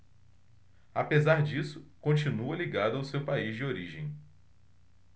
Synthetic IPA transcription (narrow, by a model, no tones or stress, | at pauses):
apezaɾd͡ʒisʊ̥kõt͡ʃinuɐliɡad̪ʊawsewpaizd͡ʒɪoɾiʒẽj̃